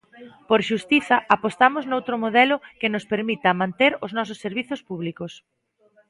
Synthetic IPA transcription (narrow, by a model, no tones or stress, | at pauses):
poɾʃust̪iθɐʔapost̪amʊznowt̪ɾʊmoðɛlʊkɪnʊspeɾmit̪ɐmãnt̪eɾʊznɔs̬ʊsːeɾβiθʊspuβlikos